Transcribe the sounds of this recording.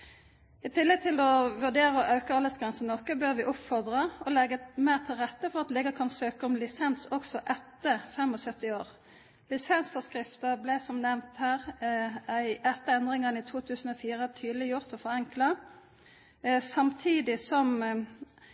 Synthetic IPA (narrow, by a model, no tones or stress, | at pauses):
ɪt̪ʰɪlːɛɡ̚t̪ʰɪlɔʋʉʁd̪eːʁəɔʔɑʉkəɑlːəsɡɾɛnsənnɔkəbøːʁʋɪʔʊpfɔʁd̪ʁəɔlɛɡəmæɪʁt̪ʰɪlʁɛt̪ːəfɔʁɑt̪lɛɡəkʰɑnsøːkəɔmlɪsɛnsɔksɔʔɛt̪ːəfɛmɔsœt̪ːɪoːʁ | lɪsɛnsfɔskʁɪft̪əblɛsɔmnɛʋnt̪hæːʁ | æɪʔɛt̪ːəɛnd̪ʁɪŋəʁnɪt̪ʰuːt̪ʰʉːsn̩ɔːfiːʁət̪ʰyːd̪əlɪjʊʁt̪ɔfɔʁɛŋklɑ | sɑmt̪ʰiːd̪ɪsɔm